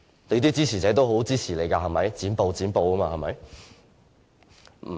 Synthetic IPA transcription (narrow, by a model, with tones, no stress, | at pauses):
t̪e˨˧t̪iː˥t͡siː˥t͡sʰiː˨˩t͡sɛː˨˥t̪̬o˥wɦo˨˥wt͡siː˥t͡sʰiː˨˩le˨jkaː˧hɐ˨˩mɐ˨˥jt͡siː˨˥npo˨˧wt͡siː˨˥npo˨˧wkɐ˥maː˧hɐ˨˩mɐ̰˨˥j